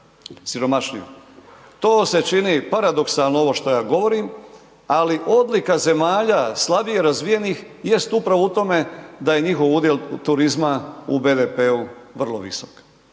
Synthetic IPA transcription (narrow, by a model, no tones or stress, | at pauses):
siɾo̞maʃɲijo | t̪o̞ːse̞t͡ʃinipaɾad̪o̞ksalˠnoo̞ʋo̞ʃt̪o̞jaːɡo̞ʋo̞ɾim | aliʔo̞d̪likaze̞maːʎaslˠabieɾazʋije̞nix | je̞st̪upɾaʋout̪o̞me̞d̪aje̞ɲixo̞ʋud̪jelt̪uɾizmaube̞ːd̪epeuʋr̩lˠo̞̰ʋḭso̥k